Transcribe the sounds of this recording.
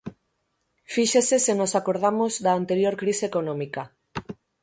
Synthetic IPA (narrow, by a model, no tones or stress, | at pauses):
fiʃesesenosakoɾð̞amozðaːnt̪eɾjoɾkɾiseekonɔ̃mika